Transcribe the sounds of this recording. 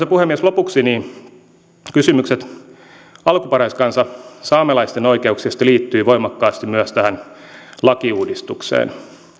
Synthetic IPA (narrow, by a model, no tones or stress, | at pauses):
sepuhemːiæslopuksiniːn | kysymykset̪ | ɑlkupɑɾɑiskɑnsɑsɑːmelɑist̪enoikeuksist̪ɑliːt̪ːyːʋoimɑkːɑːst̪immyæst̪æhæn | lɑkiuːdist̪uksḛːn